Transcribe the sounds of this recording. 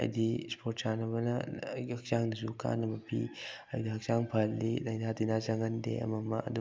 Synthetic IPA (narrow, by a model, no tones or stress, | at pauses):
ɐ̰jd̪ispʰoɾtsanɐβɐnɐɐk̚saŋdɐsuka̰nɐbɐpʰḭɐjdɐɦɐk̚t͡ʃaŋpʰalːilɐjnatinazɐŋɐndḛɐ̰mɐmɐʔɐ̰d̪u